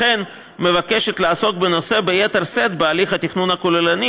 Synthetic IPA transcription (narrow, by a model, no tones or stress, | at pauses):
e̞n | me̞vake̞ʃe̞t̪laːso̞k̚be̞no̞se̞bejet̪eʁse̞d̪bealiχhat̪iχnunakolelani